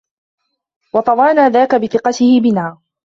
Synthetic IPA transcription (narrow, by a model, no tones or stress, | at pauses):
wɑt̪ˤɑwɑːnaːðaːkabɪθɪqɑt̪ɪhɪbɪnaː